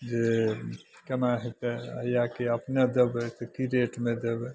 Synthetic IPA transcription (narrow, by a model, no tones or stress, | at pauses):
d͡ʒe | kɐnaɦet̪eə̰jakeɐpned̪əbt̪əkiɾeːʈmẽd̪eb